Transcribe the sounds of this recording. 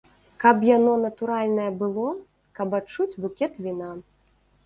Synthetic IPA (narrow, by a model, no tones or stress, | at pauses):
kɐpjanɔnɐt̪uɾalʲnɐjɐbɨlˠɔ | kɐbatt͡ʂut͡sʲbukʲɛt̪vʲina